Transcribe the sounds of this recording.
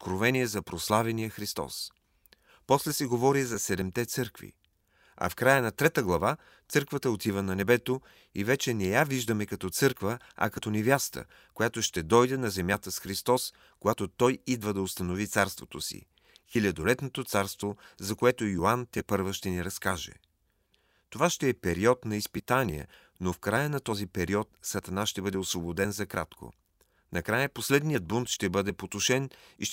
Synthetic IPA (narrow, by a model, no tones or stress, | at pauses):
ot̪kɾovɛniɛzɐpɾoslˠavɛnijəxɾist̪ɔ̰s | pɔslɛsɛɡovɔɾizɐsɛd̪ɛmt̪ɛt̪sɤɾkvḭ | ɐ̰fkɾajənɐt̪ɾɛt̪əɡlˠɐva | t̪sɤɾkvət̪əot̪ivənɐnɛbɛt̪o | ivɛt͡ʃɛnɛjaviʒd̪əmɛkɐt̪ɔt̪sɤɾkvə | ɐ̰kɐt̪ɔnɛvjast̪ə̰ | kojat̪oʃt̪ɛd̪ɔjd̪ɛnɐzɛmjat̪əsxɾist̪ɔs | kojat̪ot̪ɔjid̪vəd̪ɐost̪ɐnovit̪saɾst̪vot̪osḭ | xilʲɐd̪olɛt̪not̪ot̪saɾst̪vozɐkoɛt̪ojoant̪ʲɛpɤɾvəʃt̪ɛniɾɐskaʒɛ̰ | t̪ovaʃt̪ɛɛpɛɾiɔt̪nɐispit̪aniɛ̰ | nofkɾajənɐt̪ɔzipɛɾiɔt̪̚sɐt̪ɐnaʃt̪ɛbɤd̪ɛosvobod̪ɛnzɐkɾat̪kʰo̰ | nɐkɾajəposlɛd̪nijəd̪̚bunt̪ʃt̪ɛbɤd̪ɛpot̪oʃɛnḭʃ